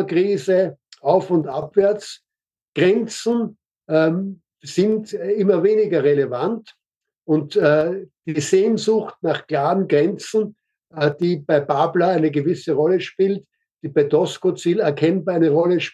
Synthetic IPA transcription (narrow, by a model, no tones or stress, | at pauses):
kʁiːzəʔaʊfʊntapv̥ɛɐt͡s | ɡ̥ʁɛnt͡sn̩ː | sɪntɪmɐveːnɪɡɐʁelevant | ʊntɛd̥iːzeːnzʊxtnaχkl̥aːʁənɡʁɛnt͡sn̩ː | d̥iːbaɪbaːblaæɪnəɡəvɪsəʁɔləʃpiːlt | d̥iːb̥aɪdɔskot͡siːlɛɐkʰɛnbaæɪnəʁɔləʃ